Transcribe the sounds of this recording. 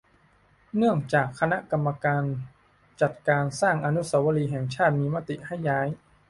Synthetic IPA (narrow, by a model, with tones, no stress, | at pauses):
nɯ˥˩əŋt͡ɕaː˨˩kʰːa˧na˦˥ʔka˧mːa˧kaː˧n | t͡ɕa˨˩t̪̚kaː˧nsaː˥˩ŋʔa˧nu˦˥sa˩˦˥wa˧liː˧ɦɛː˨˩ŋt͡ɕʰaː˥˩t̪̚miː˧ma˦˥˩t̪i˨˩ʔha˥˩jːaː˦˥j